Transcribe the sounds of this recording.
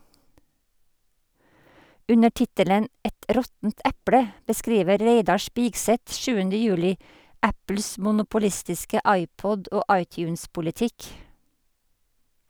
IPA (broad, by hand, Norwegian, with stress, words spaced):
ˈʉnə ˈʈɪtələn ˈɛt ˈɾɔtn̩t ˈæpɽə bəˈskɾiːʋə ˈɾæɪdɑ ˈʃpɪɡsɛt ˈʃʉːənə ˈjʉːlɪ ˈæpl̩s mʊnʊpʊˈlɪstɪskə ˈɑɪˌpɔd ˈoː ˈɑɪˌtjʉːnspʊlɪˌtɪk